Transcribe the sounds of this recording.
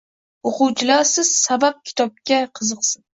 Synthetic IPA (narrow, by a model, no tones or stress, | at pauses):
oqʊwt͡ʃʰɪlaɾsɪz̥sabap̚kʲʰɪ̥t̪ʰɒp̚kʲaqʰɨzɨqsɨn